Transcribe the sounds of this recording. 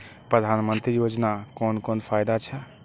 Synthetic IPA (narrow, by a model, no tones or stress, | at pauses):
pɾəd̪ʱanmənt̪ɾijod͡ʒnakɔnkɔnpʰajd̪at͡ʃʰɛ